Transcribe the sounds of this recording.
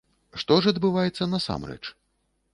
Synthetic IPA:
ʂt̪ɔʐɐd̪bɨvajɛt̪sːɐnɐsa̰mɾɛ̰t͡ʂ

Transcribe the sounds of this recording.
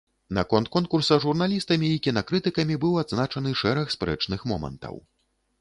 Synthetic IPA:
nɐ̰kɔnt̪̚kɔn̚kursɐʐurnalʲist̪ɐmʲiːkʲinɐkɾɨt̪ɨkɐmʲibɨwad̪znat͡ʂɐnɨʂɛɾɐxspɾɛ̰t͡ʂnɨxmɔ̰mɐ̰nt̪ɐ̰w

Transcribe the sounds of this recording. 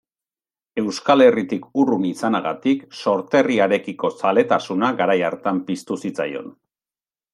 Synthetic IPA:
e̞wskale̞rit̪ikurunisanaɣat̪ikso̞ɾt̪e̞riaɾe̞kiko̞sale̞t̪asunaɣaɾajaɾt̪ampist̪usit͡sa̰jo̞̰n

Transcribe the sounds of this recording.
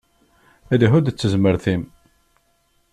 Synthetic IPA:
æðəɦʊd̪t͡sːəzməɾθim

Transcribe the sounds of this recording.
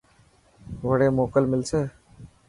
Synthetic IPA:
ʋəɽeːmoːkəlmɪlseː

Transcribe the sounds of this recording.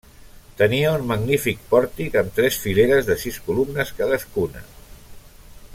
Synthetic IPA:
t̪əniəunməɡnifik̚pɔɾt̪ikəmt̪ɾɛsfileɾəzðəsiskulumnəskaðəskunə̰

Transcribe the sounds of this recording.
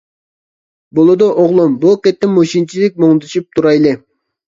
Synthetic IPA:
bolˠud̪oʔoʁlˠumbuqʲet̪ːɪmːoʃint͡ʃʰilɪk̚ʲmoŋlˠɨt̪ʰɨʃup̚t̪ʰuɾɑjlˠɨ

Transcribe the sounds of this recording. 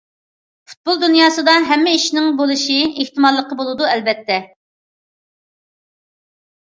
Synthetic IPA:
fu̥t̪̚bolˠd̪unjɑːsɨd̪ɑɦɛmːɪiʃnɪŋbolˠɨʃieht̪ɨmɑlˠːəqəbolˠɨd̪uɛlbɛt̪ʰːɛ

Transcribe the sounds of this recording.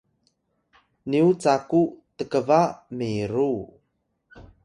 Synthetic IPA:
niut͡sakutəkəvamiɾu

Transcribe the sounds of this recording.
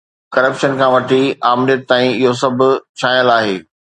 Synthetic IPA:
kɐɾəpʃənkʰãʋɐʈʰiaːmɪljəʈ̚t̪aːĩɪɦosɐbʱʊ̆t͡ɕʰaːjəlaːɦeː

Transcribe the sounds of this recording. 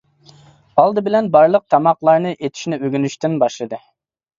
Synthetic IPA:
ɑlˠd̪ɨbɪlɛnbɑɾlˠəq̚t̪ʰɑmɑqlˠɑɾnɨʔet̪ʰi̥ʃnɪøɡʲynyʃt̪ynbɑʃlˠɨd̪ɨ

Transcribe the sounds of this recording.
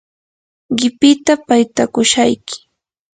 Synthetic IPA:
ɢɪpɪt̪apajt̪akʊʃajkɪ̥

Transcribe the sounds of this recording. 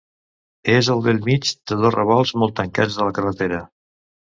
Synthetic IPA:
ezəlˠðəlˠmid͡ʒd̪əðosrəβɔlˠzmɔlˠt̪əŋka̰d͡zðələkərət̪eɾə

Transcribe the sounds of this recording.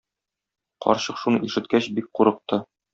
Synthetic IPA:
qɒ̰ɾɕɤqʃunɤʔiʃɘ̆t̪̚kæɕbik̚quɾɤ̆q̚t̪ɤ

